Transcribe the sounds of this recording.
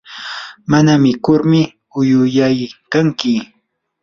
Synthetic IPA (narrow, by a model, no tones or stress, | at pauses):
manamɪkʊɾmɪ | ʊjʊjajkaŋkɪ